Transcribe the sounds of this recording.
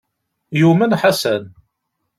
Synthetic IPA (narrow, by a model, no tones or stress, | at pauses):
jumənħasæn